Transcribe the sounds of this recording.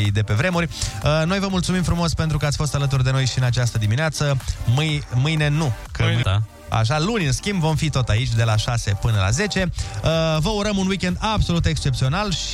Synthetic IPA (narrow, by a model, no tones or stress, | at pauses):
id̪e̞pe̞vɾe̞murʲəno̞jvəmult̪sumimfɾumo̞spe̞nt̪ɾukəat̪sʲfo̞st̪alət̪̬urd̪e̞no̞jʃiɨnat͡ʃast̪əd̪imineat̪səmɨjmɨjne̞nu | kə | a̰ʃ̬alunʲɨnskʲimbvo̞mfit̪o̞t̪ait͡ʃʲd̪e̞laʃase̞pɨnəla̰ze̞t͡ʃe̞əvəuɾəmunwikʲe̞nd̪abso̞lut̪e̞kst͡ʃe̞p̚t̪sio̞nalʃ